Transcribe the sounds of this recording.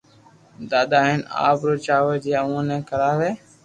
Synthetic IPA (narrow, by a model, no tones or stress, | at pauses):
d̪aːd̪aːɦɪna̰ːpɾoːt͡ʃaːʋəd͡ʒijaːũnɛ̃ːkəɾaːʋeː